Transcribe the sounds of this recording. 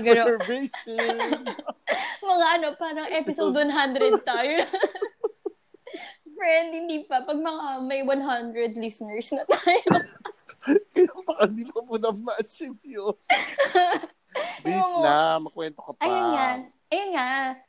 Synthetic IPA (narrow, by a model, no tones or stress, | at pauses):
ɡɐnove | mɐŋaʔɐno̞paːɾɐŋʔɛpɪsod̪̚wɐnɦand̪ɾɛd̪̚t̪aːjo | fɹɛnd̪̚hɪnd̪iːpɐpɐɡ̚mɐŋamɐjwɐnɦand̪ɾɛd̪lisnɛɹsnɐt̪aːjo | kɐjapɐkɐd̪ipɐpunɐɡ̚maʔsɪpjo | joŋamɐkwɛnt̪okɐpɐjanŋa | ʔɐjɐnŋa